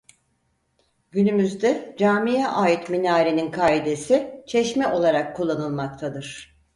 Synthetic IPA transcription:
ɟynymyzd̪ɛd͡ʒaːmijɛʔaːjit̪minaːɾeninkʰaːid̪e̞sit͡ʃʰɛʃmɛʔo̞lˠaɾakʰːulˠːanɯlˠmak̚t̪ʰad̪ɯɾ̥

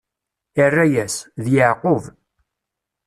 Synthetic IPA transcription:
ərːæjæsðjəʕqov

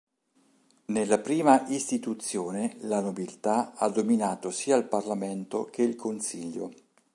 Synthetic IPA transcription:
nelːapɾiːmaʔist̪it̪ut̪sːjoːnelanobilt̪aad̪ːominaːt̪osiːailparlament̪ok̟eilkʰonsiʎːo̰

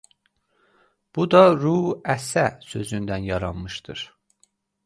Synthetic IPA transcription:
b̥ud̪ɑɾuæsæsø̞zynd̪ænjɑɾɑnmɯʃd̪̥ɯɾ̥

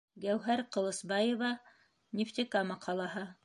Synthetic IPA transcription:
ɡæwɦæɾqɤ̆lˠɤ̆sbɑjŏvɑ | nʲɪft̪ʲekɑmɑqʰɑlˠɑɦɤ

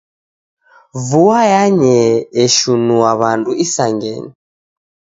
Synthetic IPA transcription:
vuajaɲɛːʃunuwaβanduisaŋɡɛ̰ɲi

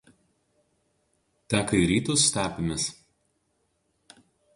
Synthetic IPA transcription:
t̪ʲæːkɐɪɾʲiːt̪ʊsʲt̪ʲæːpʲɪmʲɪs

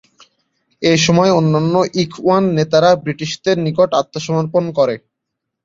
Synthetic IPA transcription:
eʃɔmɔeonːanːoʔikʰuanːet̪aɾabɾiʈiʃd̪eɾnikoʈat̪ːoʃɔmoɾponkɔɾe

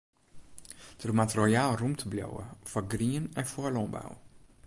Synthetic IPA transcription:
dərmatrojaːlˠrumtʰəbljo̰wə̰fɔɡriənɛnfoəlɔmba̰w

